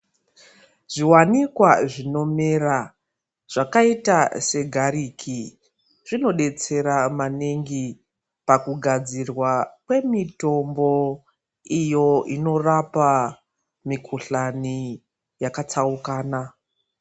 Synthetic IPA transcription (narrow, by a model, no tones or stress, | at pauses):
ʐ̥iwanikwaʐino̞mera | ʐ̥akaitase̞ɡʱaɾiːkʰi | ʐino̞ɗe̞t͡se̞ɾamaneŋɡi | pakuɡʱad͡zirwakwe̞mito̞mbo̞ | ijo̞ino̞rapa | mikʰuɬani | jakat͡saukaːna